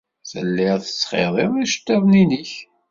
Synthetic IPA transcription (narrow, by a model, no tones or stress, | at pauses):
θəlːɪʁθə̥sːχḛðˤeðiʃə̥t̪ːæðˤniniç